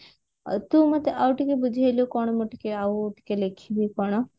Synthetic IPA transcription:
t̪ũmɐt̪eʔauʈikebud͡ʒʱaljokɔɽ̃ɔmoʈi̥keauʈi̥kelekʰibʱikɔɽ̃ɔ

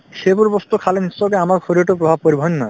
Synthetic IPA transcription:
ʃebuɾbost̪ukʰalenisɔkeamaɾfʰoɾioʈopɾobʱab̚poɾibʱɔnːɔj

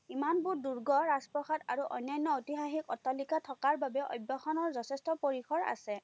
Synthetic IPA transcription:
imanbuɹduɹɡɔɹazpɹɔxataɹuʔɔ̰jnːajnːɔotiɦaxikɔtːɔlikatʰɔkaɹbabɛʔɔ̰jbɔxɔnɔɹzɔtʰɛstɔpoɹixʰɔɹa̰sɛ

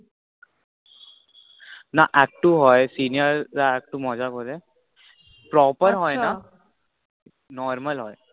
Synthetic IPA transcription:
naʔɛk̚ʈːuɦɔjsinijəɾzaɛk̚ʈumɔzakɔɾɛ | pɾɔpəɾɦɔjna | nɔɾməlɦɔj

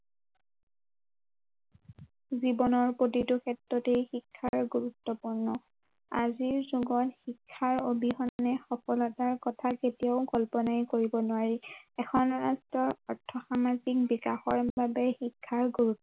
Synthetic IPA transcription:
zibɔnɔɹpotitʊkʰɛtɹɔtejxikʰːaɹɡuɹutːɔpuɹnɔ | a̰ziɹzuɡɔtxikʰːaɹobihɔnnɛxɔpɔlɔtaɹkɔtʰaketijaʊɡɔlpɔnajkoɹibɔnʊwaɹiɛkʰɔnɹastɹɔɹɔɹtʰːɔxamazik̚bikaxɔɹbabɛxikʰːaɹɡuɹutːɔ

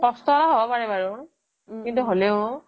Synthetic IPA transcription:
kɔst̪ɔtaɦobɔpaɹibaɹʊ | kintuɦoleʊ

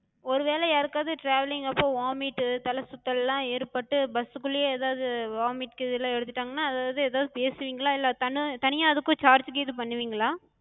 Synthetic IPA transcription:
ɔɾɯʋeːlɛaɾɯkːaðɯʈɾaːʋɐlɪŋɡɐpːõːʋaːmiːʈːɯt̪ɐlɐsʊt̪ːɐlɛlːãːeːɾpɐʈːɯbɐsɯkːɯɭɪjeeːðaːʋðɯʋaːmiːʈkɯɪðɪlːãːɛɽɯt̪ːɪʈːaːŋɡɐnːaːɐðaːʋɐðɯɛːðaːʋðɯpeːsɯʋiːŋɡɐɭaːɪlːɐt̪ɐnɯt̪ɐnɪjaːɐðɯkːʊ̃t͡ʃaːɾd͡ʒɡeːðɯpɐɳːɯʋiːŋɡɐɭaː

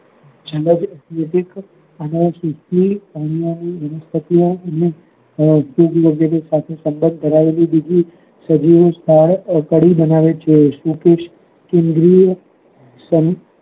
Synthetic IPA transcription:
d͡ʒələd͡ʒɛt̪ʰleʈɪk | ənəsust̪ipanijaniəʋəst̪ʰət̪ijõəne | juɡʋəɡɛɾesat̪ʰesəmbənd̪̚ʱəɾaʋelibid̪ʱi | səd͡ʒiʋst̪ʰaɭkəɽibənaʋet͡ʃʰeʃukeʃ | kẽnd̪ɾi | sən

